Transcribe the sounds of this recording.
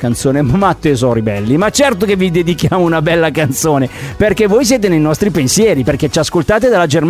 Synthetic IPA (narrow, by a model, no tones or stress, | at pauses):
kant̪soːnemamat̪ːoezɔɾibɛ̰lːimat͡ʃɛrt̪okevːid̪ed̪ikjaːmounabɛlːakant̪soːneperkevːoːjs̬jeːt̪̬enejnɔst̪ɾipensjɛːɾiperk̟et͡ʃaskolt̪aːt̪̬ed̪alːad͡ʒerm